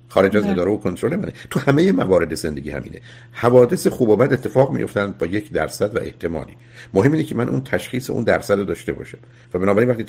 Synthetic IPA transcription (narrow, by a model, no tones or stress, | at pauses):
xɒːɾe̞d͡ʒæzed̪ɒːɾevokʰont̪ʰɾole̞mænet̪ʰuhæme̞jemævɒːɾe̞d̪ezend̪e̞ɟiːhæ̰mʔḭːne̞̰ | hævɒːd̪e̞sexuːbɒːbæd̪e̞t̪ʰːefɒːɣmḭjo̞ft̪ænd̪̚bɒːje̞cʰd̪æ̰ɾsæd̪væ̰ʔḛht̪ʰe̞mɒ̰ːliː | moɦemːiːnecʰemænʔṵnt̪ʰæʃχiːseʔṵnd̪æɾsæd̪ɾod̪ɒːʃt̪e̞bɒ̰ːʃæm | væbenɒːbæɾinvæχt̪iː